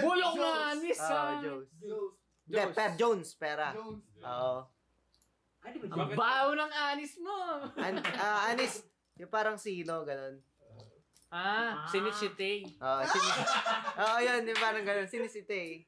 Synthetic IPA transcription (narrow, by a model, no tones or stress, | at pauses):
buloʔnɐaːnɪsoʔd͡ʒowns | d̪ɛpɛɾd͡ʒownspɛːɾɐʔoːʔo | ɐbawʊnɐŋʔaːnɪsnoanaʔaːnɪs | jʊŋpaːɾɐŋsiːloɡɐno̞n | asɪnɪsɪt̪ɛjʔoːʔosɪnɪʔoːʔojonjʊŋpaːɾɐŋɡɐnonsɪnɪsɪt̪ɛj